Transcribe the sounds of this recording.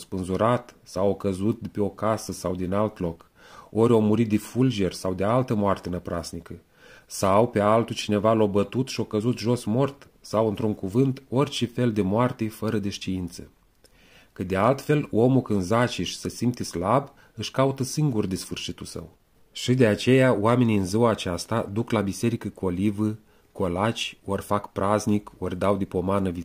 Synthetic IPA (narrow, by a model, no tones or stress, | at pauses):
spɨnzuɾat̪sawokəzut̪̚d̪peo̞kasəsawd̪inalt̪lo̞k | o̞ɾʲo̞muɾit̪̚d̪ifuld͡ʒe̞rʲsawd̪ealt̪əmoart̪enəpɾʔasnikə | sawpe̞alt̪ut͡ʃine̞valo̞bət̪ut̪ʃio̞kəzut̪ʒo̞smo̞rt̪ | sawɨnt̪ɾuŋkuvɨnt̪o̞rʲt͡ʃefe̞ld̪e̞moart̪efəɾəd̪e̞ʃt̪iint̪sə | kɨt̪̚d̪e̞alt̪fe̞lo̞mukɨnzat͡ʃiʃsəsimt̪islab | ɨʃkaut̪əsiŋɡurd̪esfɨrʃit̪ulsə̰w | ʃid̪e̞at͡ʃe̞jaoame̞niɨnziwaːt͡ʃast̪ad̪uklabise̞ɾikəkolivə | ko̞lat͡ʃʲorfakpɾʔaznikord̪awd̪epo̞manəvi